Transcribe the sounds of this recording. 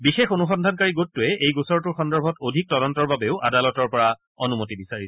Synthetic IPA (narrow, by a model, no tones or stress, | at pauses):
bixexonuxɔndʱankaɹiɡotːʊɛʔejɡusɔɹtʊɹxɔndɔɹbʱɔtodʱik̚tɔɾɔntɔɹbabeʊʔa̰dalɔtɔɹpɔɹa | onumotibisaɹisɛ